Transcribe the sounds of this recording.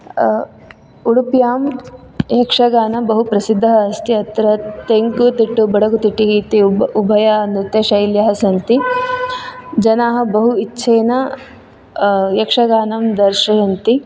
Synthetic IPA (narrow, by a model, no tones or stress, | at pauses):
uɽupjaːm | jɐkʂɐɡaːnɐbɐɦupɾɐsid̪ʱːɐɦɐːst̪iɐt̪ɾɐt̪eŋkut̪iʈːubɐɽɐɡut̪iʈːiɦiːt̪iubʱɐjaɐnd̪it̪ːɐʃɐjljɐɦɐsɐnt̪i | d͡ʒɐnaːɦɐ̆bɐɦuitːʃʰeːnɐ | jɐkʂɐɡaːnɐmd̪ɐɾʃɐjɐnt̪i